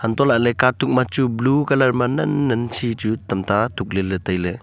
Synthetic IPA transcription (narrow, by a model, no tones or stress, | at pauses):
hɐntɔlaʔlekatuk̚mat͡ʃublukɐlɐɾmɐnɐnːɐnsʰit͡ʃutɐmtʰatuk̚lelːetajle